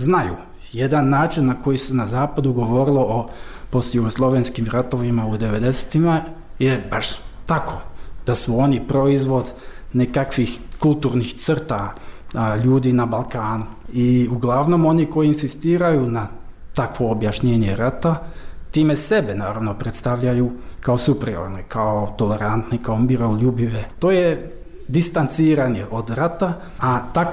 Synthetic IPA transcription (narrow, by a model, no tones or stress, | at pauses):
znajṵ | je̞d̪anːaːt͡ʃinːako̞jisenazaːpad̪uɡo̞ʋo̞ɾilˠoʔopost̪juɡoslˠo̞ʋenskimɾat̪o̞ʋimaud̪e̞ʋe̞d̪e̞se̥t̪ima | jebaʃt̪akʰo̞d̪̥asuo̞nipɾo̞izʋo̞d̪ne̞kakʋixkulˠt̪uːɾnixt̪sr̩t̪a | ʎuːd̪inabalˠkaːnu | iuɡlˠaʋno̞mo̞niko̞jiːnsist̪iːɾajunat̪akʋo̞ːbjaʃɲe̞ːɲeɾat̪at̪iːmesebenaːɾaʋno̞pɾet̪st̪aʋʎajukaosupɾio̰ɾnekʰaot̪o̞le̞ɾant̪nikaomiɾo̞lubiʋet̪o̞ːje | d̪ist̪ant̪siːɾaniʔod̪ɾat̪a | at̪ak